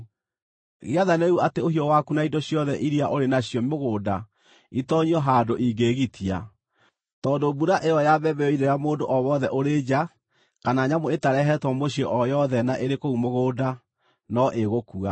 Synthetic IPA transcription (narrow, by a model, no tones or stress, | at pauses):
ɣeaðaneɣuateohiɔwakunaidoɕjɔðɛʔiɾiaʔoɾenaɕjɔmmoɣoːda | itɔɲiɔɦadoʔiɡeɣitʰia̰ | tɔːdobuɾaʔeɔjabɛbɛɔideɾjamoːndoʔɔβɔðɛʔoɾed͡ʒa | kanaɲamoetaɾɛɦɛtwɔmoɕiɔʔɔjɔðɛnaʔeɾekoumoɣoːda | nɔʔeɣokua